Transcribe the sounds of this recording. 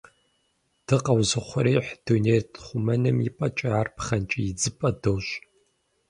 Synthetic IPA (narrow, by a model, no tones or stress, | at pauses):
d̥ɨqɐwzɨχʷʊɾeːħd̥unejrtʰχʷʊmɐnɨmipʼɐt͡ʃʼɐaːrpχɐnt͡ʃʼijɪd͡zɨpʼɐdoːɕ